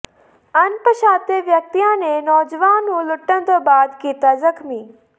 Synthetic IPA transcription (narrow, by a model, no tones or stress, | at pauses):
ɐnpəʃaːt̪eʋjɐk̚t̪ijãːnenɔːd͡ʒʋaːnũlʊʈːənt̪oːbaːd̪kiːt̪azɐkmi